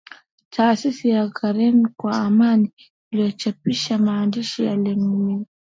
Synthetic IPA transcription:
tʰaːsisijaɡaɾɛnkwaamaniː | lijɔt͡ʃapiʃamaːndiʃija̰lɛmumi

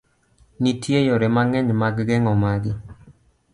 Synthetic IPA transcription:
nitʰjejɔɾɛmaŋɛɲmaɡɡɛŋɔmaɡɪ

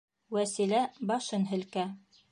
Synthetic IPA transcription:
wæsilæbɑʃɤnɦɘ̆lkæ

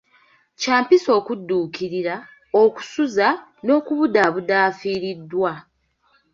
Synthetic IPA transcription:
caːmpiso̞ːkudːuːkiɾiɾa | oku̥suzano̞ːkuβudaβudaːfiːɾidːwa

